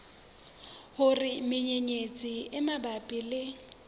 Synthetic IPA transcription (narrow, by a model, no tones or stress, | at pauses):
hʊrɪmɪɲeɲet͡sʼiɪmabapʼilɪ